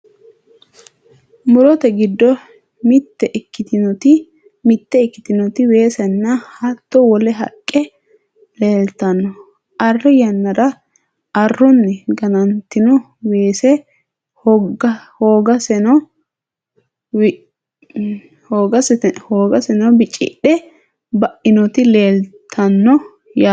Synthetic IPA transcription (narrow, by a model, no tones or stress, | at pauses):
mʊɾɔt̪ɛɡɪd̪ːɔ | mɪt̪ːɛʔkːɪt̪ɪnɔt̪ɪ | mɪt̪ːɛɪkːɪt̪ɪnɔt̪ɪwe̞ːsɛnːɐhɐt̪ːɔwɔlɛɦɐkʼːɛ | leːlt̪ɐnːɔ | ɐrːɛjɐnːɐɾɐ | ɐrːɔnːɛɡɐnɐnt̪ːɪnɔ | weːsɛ | h | hoːɡɐsɛnɔ | hoːɡɐsɛhoːɡɐsɛnɐbɪt͡ʃʼɪ̰ɗɛ | bɐʔɪnɔt̪ɪleːlt̪ʰːɐnːɔ | ja